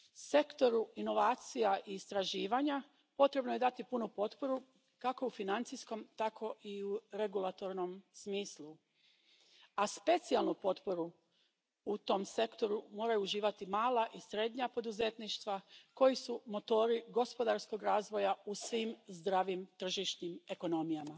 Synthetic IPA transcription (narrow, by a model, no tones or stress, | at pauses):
se̞kt̪o̞ɾuino̞ʋaːt̪sijaʔiːst̪ɾaʒiːʋaɲa | po̞t̪ɾe̞bnoje̞d̪at̪ipunupo̞t̪po̞ɾu | kako̞ufinant̪sisko̞mt̪akʰo̞ʔiuɾe̞ɡulˠat̪o̞ɾno̞msmiːslˠu | aspe̞t̪sialˠnupo̞t̪po̞ɾu | ut̪o̞mse̞kt̪o̞ɾumo̞ːɾajuːʒiːʋat̪imaːlaʔisɾe̞d̪ɲapo̞d̪uzet̪niʃt̪ʋako̞jisumo̞t̪o̞ːɾiɡo̞spo̞d̪aɾsko̞ɡɾaːzʋo̞jausʋiːmzd̪ɾaːʋimt̪r̩ʒiʃɲime̞ko̞no̞mijama